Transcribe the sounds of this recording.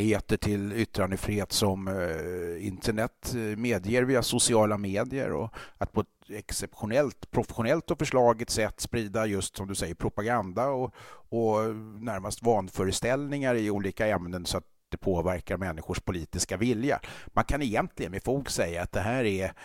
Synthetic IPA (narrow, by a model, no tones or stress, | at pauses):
eːt̪əʈʰɪlʏt̪ːɾand̪əfɾeːt̪sɔm | ɪnt̪ʰəɳɛt̪meːd̪jeːɾviːasʊsɪɑːlameːd̪ɪə̰ɾɔ̰at̪̚pʰɔɛt̪̚ɛksɛpɧʊnɛlt̪pʰɾʊfɛ̥ɧʊnɛlt̪ɔfœʂɭɑːɡət̪sɛt̪ːspɾiːd̪ajɵst̪sɔmd̪ɵsɛjːəɾpʰɾʊpaɡand̪aɔɔnæɾmast̪vɑːnfœːɾəst̪ɛlnɪŋaɾɪuːliːkaɛmnənsɔat̪̚d̪̥ɛpʰoːvæɾkaɾmɛnːɪɧʊʂpʰʊliːt̪ɪskavɪlja̰mankʰanɛjɛnt̪ʰlɪɡənmɛfoːɡsɛjːaːt̪̚d̪ɛɦæːɾɛ